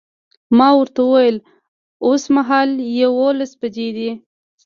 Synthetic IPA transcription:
mɑwəɾt̪awəwajəl | osmaɦɑljawolasbad͡ʒed̪i

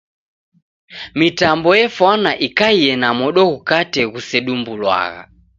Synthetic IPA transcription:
mitambɔjɛfwanaʔikaiɛnamɔɗɔɣukatɛɣusɛɗumbulwa̰ɣa̰

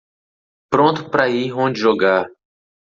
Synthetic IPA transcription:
pɾõnt̪ʊpɾɐiõd͡ʒɪʒoɡa

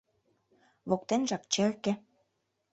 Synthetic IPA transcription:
βok̚t̪enʒɑk̚t͡ɕĕrkĕ

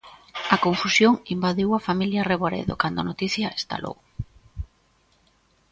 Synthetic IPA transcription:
ɐkoɱfusjoŋimbaðiwɐfamiljɐreβoɾḛðo̰kand̪ʊanot̪iθjɐest̪a̰lo̰ɣʊ

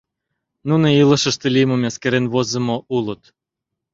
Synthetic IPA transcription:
nunoiləʃə̆ʃt̪elʲimomʲæskeɾenβozə̆moʔulət̪

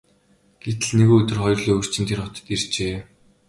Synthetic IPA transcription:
ɡ̥et̪ɘ̆ɮneɣoːɵt̪ɵ̆rχɔjrɮiːɵr̥t͡ɕɪ̆nt̪ʰerχɔt̪ə̥̆t̪irt͡ɕeː

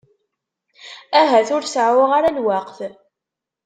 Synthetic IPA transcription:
æɦæθʊɾsʕwaʁaɾalwaqθ

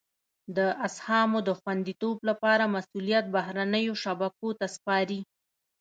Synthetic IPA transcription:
d̪əʔashɑmod̪əxwand̪it̪oblapɑɾamasulijat̪̚baɦɾanəjoʃabakot̪aspɑɾi

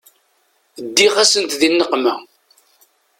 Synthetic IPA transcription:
d̪ːiʁæsənt̪ðinːəqmæ

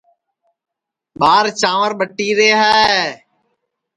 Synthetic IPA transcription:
ɓaːɾt͡ʃaːʋəɾɓəʈːiːɾeːɦɛː

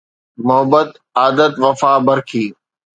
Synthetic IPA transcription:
mʊɦəbət̪ | aːd̪ət̪ʋɐfaːbɐɾkʰiː

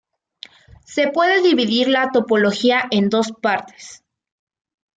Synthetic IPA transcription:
se̞pwe̞ðe̞ðiβiðiɾlat̪o̞po̞lo̞xiaʔe̞nd̪o̞spaɾt̪e̥s

